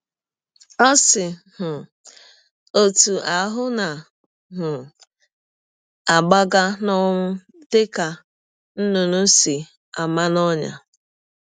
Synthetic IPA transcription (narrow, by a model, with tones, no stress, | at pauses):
ɔ˦sɪ˨ | ɦ̩˨ | o˨tu˨ʔa˨ɦʊ˦na˨ | ɦʊ˨ | a˨ɡ͡ba˦ɡa˦nɔ˦ŋ̩˦ | dɪ˦ka˨ | n̩˦nʊ˨nʊ˦si˨ | a˨ma˦nɔ˦ɲa̰˨